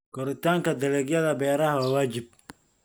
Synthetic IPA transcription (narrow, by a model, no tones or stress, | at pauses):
kʰɔɾɪt̪ʰaːŋkʰɐd̪ɐlɛɡjɐðɐbɛːɾɐɦɐwaːwaːt͡ʃɪb̚